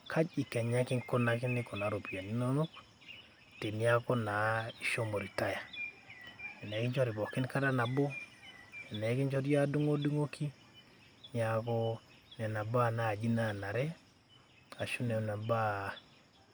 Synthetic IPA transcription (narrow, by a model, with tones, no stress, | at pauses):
kʰa˦d͡ʒi˨kɛ˨ɲa˦kɪ˦ŋko˦na˦kɪ˦nɪ˦kɔ˨na˨˦ɾo˨pi˨a˨ni˦no˦no˦k | te˨ni˦a˦ko˦na˨i˨ʃo˦mo˨ɾi˨ta˦ja˨ | ɛ˨nɛ˨˦ki˦ɲd͡ʒɔ˦ɾi˨bɔ˨kɪ˦nka˦ta˦na˨bo˦ | ɛ˨nɛ˨˦kɪ˦ɲd͡ʒɔ˦ɾja˦du˦ŋo˦du˦ŋo˦kʰi˦ | ni˨a˨ko˦ | nɛ˨na˨ba˦na˨d͡ʒi˦na˦˨na˨ɾɛ˦ | a˨ʃu˦ne˨na˨ba˦